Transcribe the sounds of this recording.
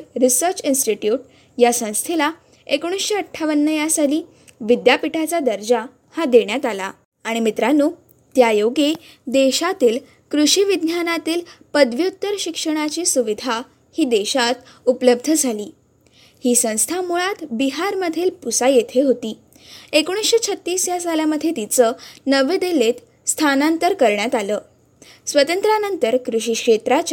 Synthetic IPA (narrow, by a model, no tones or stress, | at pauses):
ɾisəɾt͡sinsʈiʈjuʈ | jasə̃w̃st̪ʰela | ekoɽ̃isɕeəʈʰːaʋənːəjasaliː | ʋid̪japiʈʰat͡sad̪əɾd͡ʑa | had̪eɳjat̪ala̰ː | ɽ̃imit̪ɾanuː | t̪jajoɡe | d̪eɕat̪iːl | kɾuɕiʋid̪ʱnjanat̪iːlpəd̪ʋjut̪ːəɾɕikʂəɽ̃at͡ɕiːsuʋid̪ʱa | hiːd̪eɕat̪ | upləb̚d̪ʱəd͡zʱaliː | hiːsə̃w̃st̪ʰamuɭat̪biɦaɾməd̪ʱiːlpusajet̪ʰeɦot̪iː | ekoɽ̃isɕet͡ɕʰət̪ːiːsjasaljaməd̪ʱːjet̪it͡sənəʋed̪elet̪ | st̪ʰanant̪əɾkəɾɳjat̪aləː | sʋət̪ənt̪ɾanənt̪əɾkɾuɕiːkʂet̪ɾat͡ɕ